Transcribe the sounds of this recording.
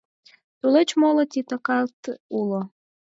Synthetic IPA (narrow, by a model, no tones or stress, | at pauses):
t̪ulet͡ɕmolot̪ʲit̪akɑlt̪ulo